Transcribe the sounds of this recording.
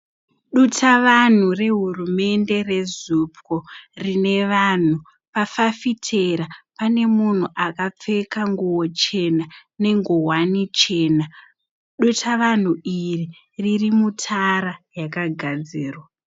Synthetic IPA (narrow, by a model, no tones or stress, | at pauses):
ɗutʰaʋan̤ure̞ɦurume̞nde̞re̞zupkorine̞ʋan̤u | pafafitʰe̞ɾapane̞mun̤uʔakap͡fe̞kaŋɡuwo̞t͡ʃe̞nane̞ŋɡowanit͡ʃe̞ːna | ɗutʰaʋan̤uiri | ririmutʰaɾajakaɡʱad͡ziːrwa